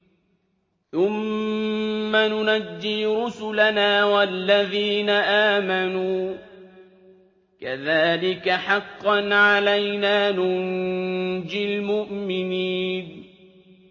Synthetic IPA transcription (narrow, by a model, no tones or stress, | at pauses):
θʊmː | anʊnadːiːɾʊsʊlanaːwalːaðiːnaʔaːmanuː | kaðaːlɪkaħɑqːɑnʕalajnaːnʊn | d͡ʒɪlmʊʔmɪniːn